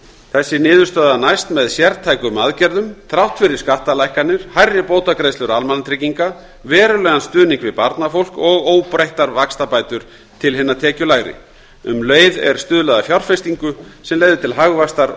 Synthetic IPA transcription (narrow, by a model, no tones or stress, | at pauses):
θɛsːɪnɪːðʏɾ̥st̪œðanajst̪mɛðsjɛɾt̪ʰajkʏmaðcɛɾðʏmt̪ʰɾawht̪fɪɾɪɾ̥skaht̪alajhkanɪɾ̥hajrːɪpoːwt̪akɾejslʏɾalmanat̪ʰɾɪciŋka | vɛːɾʏlɛːɣanst̪ʏːniŋkvɪðpaɾt̪nafowl̥kɔɣoːwpɾejht̪aɾvakst̪apajt̪ʏɾ̥ | t̪ʰɪlɦɪnːat̪ʰɛːcʏlaɣɾɪ̰ | ʏmlœːjðɛ̰ɾ̥st̪ʏːðlɛðafjawr̥fɛst̪iŋkʏsɛmleːɣðʏɪt̪ʰɪlɦaɣvast̪aɾ